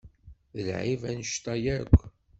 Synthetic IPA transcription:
ðəlʕivænəʃt̪ɑjæɾkʷː

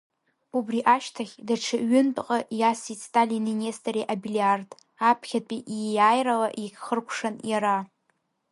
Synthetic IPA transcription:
ubriʔaʃtʰaχʲdaʈ͡ʂʰɨʔɥʏntʼqʼaʔjasitʰtʼalininestʼaɾeʔabiliard | apʰχʲapʼiʔijaːjralaʔikʲχərkʷʰʂanjaɾa

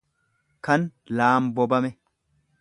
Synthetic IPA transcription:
kɐn | laːmbɔbɐmɛ

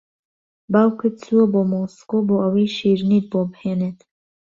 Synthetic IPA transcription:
bawkʰɨt͡suoboːmoskoboːʔəwiːʃiːɾnit̪̚bobheːneːt̪

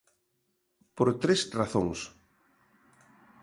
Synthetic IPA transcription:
poɾt̪ɾesraθo̰ŋs

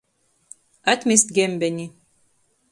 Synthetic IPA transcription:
at̪mʲist̪ɡembɛnʲi

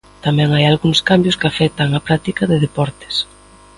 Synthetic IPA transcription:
t̪amɛ̃ŋajalɣuŋskambjʊskafɛk̚t̪ɐŋapɾak̚t̪ikɐðɪðepɔɾt̪ɪ̥s

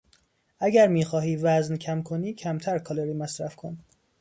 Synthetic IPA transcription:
ʔæɟæɾmiːxɒːɦiːvæzncʰæmkʰoniːcʰæmt̪ʰæɾkʰɒleɾiːmæsɾæfkʰon

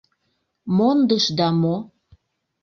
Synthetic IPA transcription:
mond̪əʃd̪ɑmo

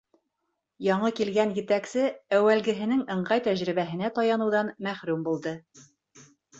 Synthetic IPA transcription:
jɒɴɤkilɡænjɘ̆t̪æksɘæwælɡɘ̆ɦɘ̆nɘŋɤ̆ɴɢɑjt̪æʑɾɘ̆βæɦɘ̆næt̪ɑjɑnɤ̆wðɑnmæχɾʉmbulˠd̪ɤ

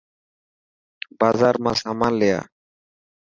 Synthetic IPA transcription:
bazaɾmasamalea̰

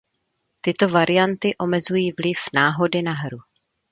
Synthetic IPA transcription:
t̪ɪt̪o̞vaɾɪjant̪ɪʔo̞mɛzujiːvlɪfnaːɦo̞dɪnaɦɾu

